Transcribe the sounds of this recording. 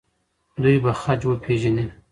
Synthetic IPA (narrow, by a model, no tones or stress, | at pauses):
d̪ujbaxat͡ʃwəpʰeʒani